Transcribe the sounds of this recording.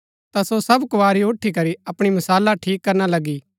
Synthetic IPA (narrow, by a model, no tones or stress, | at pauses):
t̪asosɐbkʊʋaːɾioʈʰːikɐɾiɐpɽ̃imɐsaːlːaʈʰiːkːɐɾñalɐɡi